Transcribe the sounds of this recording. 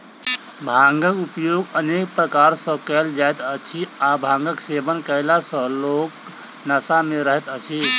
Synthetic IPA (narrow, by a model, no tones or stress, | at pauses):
bʱãŋɡəkupjoɡənek̚pɾəkaɾsə̃kəld͡ʒajt̪ət͡ʃʰiabʱãŋɡəksebənkəjlasə̃lok | nasameɾəɦɛt̪ət͡ʃʰi